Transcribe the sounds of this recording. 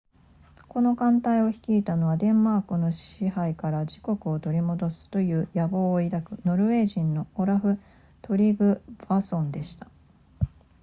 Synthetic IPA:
ko̞no̞kãnt̪aio̞çi̥kʲiːt̪ano̞βad̪ẽ̞mːaːkɯ̟no̞ɕihaikaɾaʑiko̞kɯ̟o̞t̪o̞ɾʲimo̞d̪o̞sɨ̥t̪o̞jɯ̟ːjabo̞ːid̪akɯ̟no̞ɾɯ̟e̞ːʑĩnːo̞oɾaɸɯ̟ | t̪o̞ɾʲiɡɯ̟b̥asõ̞nd̪e̞ɕi̥t̪ḁ

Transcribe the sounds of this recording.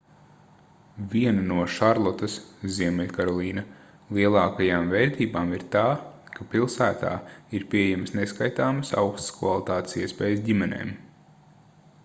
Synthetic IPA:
viɛnɐnuɔʃaɾlˠɔt̪ɐsziɛmɛlʲkaɾɔlˠiːnɐ | lˠiɛlˠɑːkajaːmvɛɾt̪iːbaːmiɾt̪aːkapilˠsæːt̪a̰ːiɾpʲiɛejɛməsneskajt̪aːmɐsa̰wkst̪skva̰lˠit̪aːt̪e̥siɛspɛːjsdʲimɛnḛːm

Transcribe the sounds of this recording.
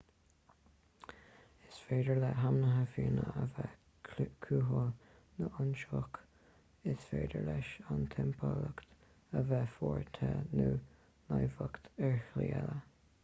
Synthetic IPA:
ɪsfeːd̪əɹlɛɦamnəɦəfiːnəəvɛ | kʰuːɦo | nəʔʊnʃɔk | ɪsfeːd̪ə̰ɹlɛʃant̪ʰɛmpʰɔləkt̪ | əvɛfɔːɹt̪ʰɛnuː | najvəkt̪ɛɹhliːɛlə

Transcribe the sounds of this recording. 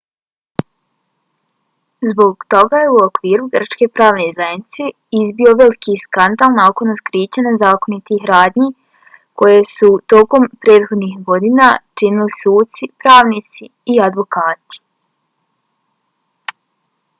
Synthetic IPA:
zbo̞ɡt̪o̞ɡajeuokʋiːɾuɡr̩t͡ʃke̞pɾaːʋne̞zajenit̪se | izbio̞ʋe̞likiskand̪alˠnaokonot̪kɾiːt͡ɕanazaːko̞nit̪ixɾaːd̪ɲi | ko̞jesut̪o̞ːko̞mpɾe̞ːt̪xod̪nixɡo̞d̪inat͡ʃinilisuːt̪sipɾaːʋnit̪siːad̪ʋo̞kaːt̪i̥

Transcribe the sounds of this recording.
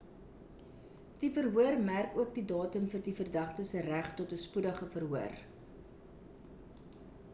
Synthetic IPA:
d̥ifərɦuərmærkuək̚didɑːtəmfərdifərdɐχtəsəræχtɔtəspudəχəfərɦuər

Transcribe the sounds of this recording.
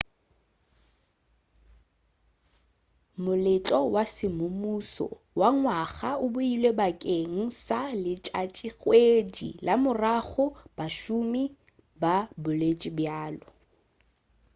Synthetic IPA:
mʊlɪt͡ɬʼɔwasɪmʊmusɔ̰ | waŋwaɣaʊbʊilwebakʼeŋ̩salɪt͡ʃʼat͡ʃʼiɣwedḭlamʊraɣʊb̥aʃʊmi | babʊlet͡ʃʼibjaːlɔ

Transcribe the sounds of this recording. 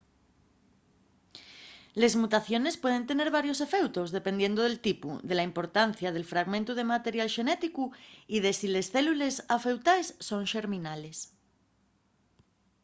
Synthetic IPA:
le̞zmut̪aθjo̞ne̞spwe̞ð̞e̞nt̪ene̞ɾβaɾjo̞se̞fe̞wt̪o̞zðe̞pe̞nd̪je̞nd̪oð̞e̞lt̪ipṵðe̞laimpo̞ɾt̪anθjað̞e̞lfɾaɣmẽnt̪uð̞e̞mat̪e̞ɾjalʃe̞net̪ikuiðe̞sile̞sθe̞lule̞safe̞wt̪aesːõ̞ŋʃe̞ɾmĩnale̞s

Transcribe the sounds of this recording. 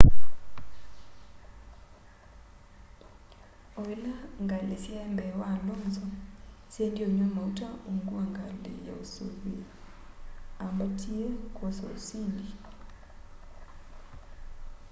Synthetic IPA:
oilaŋɡalesjambɛwalɔnzɔ | sendioɲɔmautauŋɡuaŋɡaldɛ̰ja̰oso̰lwi | ambatʰiekosɔ̰osindi

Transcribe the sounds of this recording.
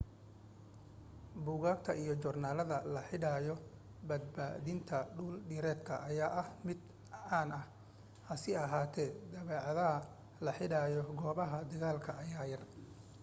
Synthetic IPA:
buːɣaːkt̪ʰɐijɔt͡ʃɔrnaːlɐðɐlɐħɪɽaːjɔ | bɐd̪̚ba̰ːðɪnt̪ʰɐɖuːlɖɪːɾɛːt̪kʰɐ̰ʔːjaːʔɐhmɪd̪ | ʕaːnɐh | hɐsɪɐɦaːt̪ʰɛːd̪ɐβɛːʕɐðɐɦɐ | lɐħɪɽaːjɔɡɔːβɐɦɐd̪ɐɣaːlkʰɐʔːjaːjɐr

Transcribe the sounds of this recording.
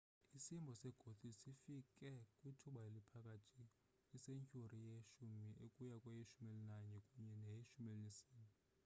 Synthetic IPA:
isimbʱɔsɛɡ̥ʱot̪ʰʼisifikʼɛkʼwitʰuɓaelipʰak̬ʼatʰi | iseŋcʼurijeʃumiʔekʼujakʼwajiʃumelinaɲɛkʼuɲɛnɛjiʃumelinisiːni

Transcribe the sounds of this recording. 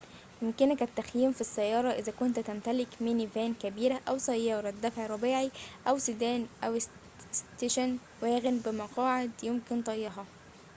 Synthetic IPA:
jʊmkɪnækæt̪ːæxjiːmfisːæjːɑːɾˤɑʔɪzækʊnt̪t̪æmt̪ælɪkmenivæːnkæbiːɾæʔæwsæjːɑːɾˤɑd̪ːæfʕɾˤɑbiːʕiʔæwsɪd̪æːnʔæw | st̪eʃæn | wæːɣɪnbɪmɑqɑːʕed̪jomkɪnt̪ˤɑjːɑɦɑ

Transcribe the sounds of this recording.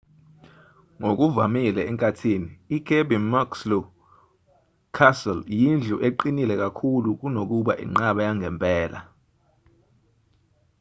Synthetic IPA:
ŋok̬ʼuvamilɛɛŋkʼatʰiːniːkʰebimakslɔ | kʰasɛljind͡ɮʱuʔeǃinilɛk̬ʼakʰuluk̬unok̬uɓa̰ʔḭŋ͡ǁaɓajaŋʱɛmpʼɛːla̰

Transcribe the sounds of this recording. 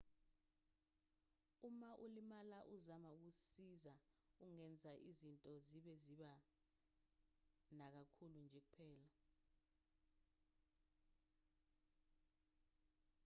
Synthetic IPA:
umaʔulimalaʔuzamauk̬usiza | uŋɛnd͡zʱaʔizintʼɔziɓɛziɓa | nak̬akʰulund͡ʒʱek̬upʰɛːla

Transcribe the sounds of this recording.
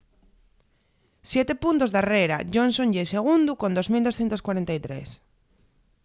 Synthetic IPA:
sjet̪epunt̪ozðareɾa̰ʝõnsõnʎeseɣ̞und̪ukond̪ozmild̪o̞sθjent̪oskwaɾent̪ajt̪ɾḛs

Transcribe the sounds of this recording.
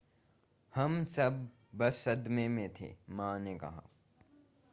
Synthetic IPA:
hɐmsɐbː | ɐsɐd̪mẽmẽt̪ʰḛːmãːnekɐ̰ɦa̰ː

